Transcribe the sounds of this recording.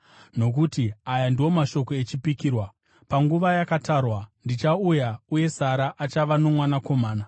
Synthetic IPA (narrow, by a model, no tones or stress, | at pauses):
no̞k̬utiajandiwo̞maʃo̞ko̞et͡ʃipikiːrwa | paŋɡuʋajakataːrwandit͡ʃaujauje̞saɾaʔat͡ʃaʋano̞mwanako̞maːna